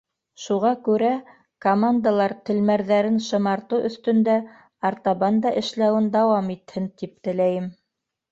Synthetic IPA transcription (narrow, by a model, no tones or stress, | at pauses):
ʃuʁɑkʉɾæ | komand̪alˠɑɾt̪ɘ̆lmæɾðæɾɘnʃɤ̆mɑɾt̪ɤwʔɵ̆θt̪ɵ̆nd̪æ | ɑɾt̪ɑβɑnd̪ɑʔɘ̆ʃlæwɘnd̪ɑwɑmit̪hɘnt̪ip̚t̪ɘ̆læjɘm